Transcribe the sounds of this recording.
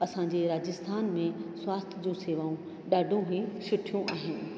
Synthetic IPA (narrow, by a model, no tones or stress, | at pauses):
ɐsãɲd͡ʑeɾaːd͡ʑɪst̪ʰaːnmẽsʊwaːst̪ʰɪd͡ʑũseːʋaːũ | ɗaːɖʱũɦĩʃʊʈʰijũʔaːɦɪnɪ̆